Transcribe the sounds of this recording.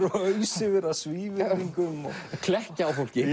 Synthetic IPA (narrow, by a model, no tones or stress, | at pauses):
ɾœɥsɪvɛɾaðsviːviŋkʏmɔ̰ɣkʰlɛhcaawfowl̥cɪ